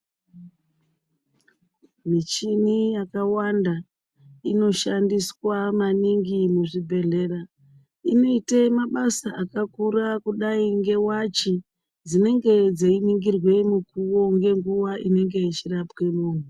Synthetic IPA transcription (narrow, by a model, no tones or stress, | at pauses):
mit͡ʃinijakawanda | ino̞ʃandiswamaniŋɡimuʐibʱe̞ɮe̞ra | ino̞iteimaɓasaʔakakurakuɗaiŋɡe̞wat͡ʃi | d͡zine̞ŋɡe̞d͡zeiniŋɡirwe̞mukuwo̞ŋɡe̞ŋɡuʋaʔine̞ŋɡe̞it͡ʃirapke̞moːm̤u